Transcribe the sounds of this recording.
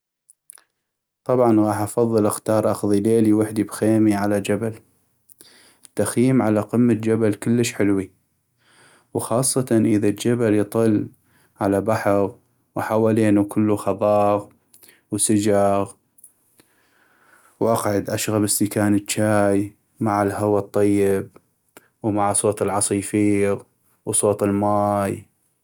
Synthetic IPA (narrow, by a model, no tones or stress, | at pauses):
t̪ˤɑbʕɑnɣɑːħʔɑfɑðˤːɨlʔɪxt̪ɑːɾˤʔɑxðˤileːliwɪħd̪ibxeːmiʕalad͡ʒabal | ət̪ːaxjiːmʕalaqəmːat̪d͡ʒabalkəlːəʃħɪlwi | wxɑːsˤːɑt̪ɑnʔəðald͡ʒabaljt̪ˤɨl | ʕalabaħɑɣ | wħawaːleːnukʰəlːuxɑðˤɑːɣ | wsɪd͡ʒɑɣ | wʔaqʕʊd̪ʔaʃɣabɪsːɪkaːnət͡ʃːaːj | maʕɪlhawat̪ˤːɑjːɪb̚ | wmaʕsˤoːt̪ˤɪlʕɑsˤiːfiːɣ | wsˤoːt̪ˤɪlmaːj